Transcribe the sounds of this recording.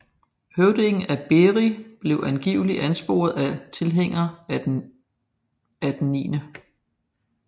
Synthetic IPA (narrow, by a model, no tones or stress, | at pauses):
høʊd̥e̝ŋn̩æb̥e̝ʁib̥le̝ʊʔænɡ̥ḭʊliʔænsb̥o̝̰ːɐð̩ˠæt͡sʰe̝lɦeŋ̰ɐ | æd̥enːḭːnə